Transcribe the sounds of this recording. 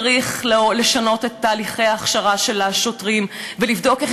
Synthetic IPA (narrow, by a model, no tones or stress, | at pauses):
ʁiχlle̞ʃano̞tetːaːliχejaːχʃaʁaʃe̞laʃo̞tʁimvelivdo̞keχ